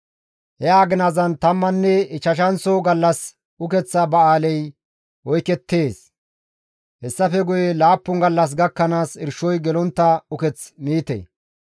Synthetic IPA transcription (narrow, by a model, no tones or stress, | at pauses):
hɛaːɡɪnazɐnt̪ɐmːɐnːɛɪt͡ʃːɐʃɐnsɔɡɐlːɐs | ʊkɛt͡sːɐbɐaːlɛj | wɔjkɛt̪ːe̞ːs | hɛsːɐfɛɡʊjɛlaːpːʊŋɡɐlːɐs̬ɡɐkːɐnaːsɪɾʃɔjɡɛlɔnt̪ːɐʊkɛt͡smiːt̪ḛ